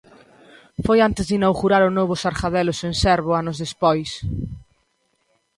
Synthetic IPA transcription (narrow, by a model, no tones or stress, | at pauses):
fojant̪ɪzðinawɣuɾaɾʊnoβ̞ʊsaɾxaðɛlʊsensɛɾβʊanʊzðespɔjs